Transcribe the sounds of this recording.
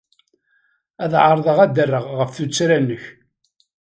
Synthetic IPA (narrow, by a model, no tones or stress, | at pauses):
æðʕəɾˤðˤəʁæd̪ərːəʁʁəfθut͡sːɾænːəç